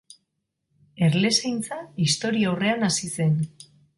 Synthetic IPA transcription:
e̞ɾle̞sajnt͡saist̪o̞ɾiawre̞anasise̞n

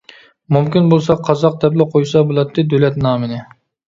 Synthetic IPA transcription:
mumkʲinbolˠsɑqʰɑzɑq̚d̪ɛplɪqʰojsɑbolˠɑt̪ʰːɪd̪ølɛt̪nɑːmɪnɪ

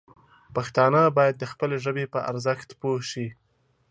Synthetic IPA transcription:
paxt̪ɑnəbɑjad̪̚ːəxpəleʒəbepəʔa̰ɾzəxt̪poʃi

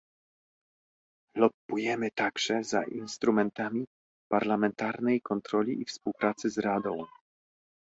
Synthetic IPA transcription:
lɔp̚pujɛmɘt̪aɡʐɛza̰ʔinst̪ɾumɛnt̪amʲi | paɾlamɛnt̪aɾnɛjkɔnt̪ɾɔlʲiʔifspuwpɾat̪sɘzɾad̪ɔ̃w̃

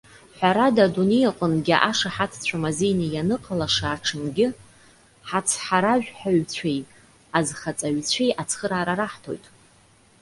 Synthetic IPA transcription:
ħʷaɾadadunejaqʷʼənɡʲɪʔaʂaħatʰt͡ɕʷʰamazejnijanɨqʼalaʂaːʈ͡ʂʰɨnɡʲɪ | ħat͡sʰħaɾaʒᶣħaɥt͡sʷʰe̞j | azχat͡sʼaɥt͡ɕʷʰejʔat͡sʰχəɾaːɾaɾaħtʰo̞̰jtʼ

